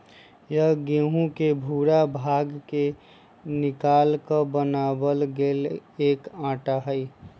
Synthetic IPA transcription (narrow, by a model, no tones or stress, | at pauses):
jəɡeɦũkebʱuːɾabʱaɡke | nɪkaːlkəbənabəlɡeːleːkãːʈaɦəj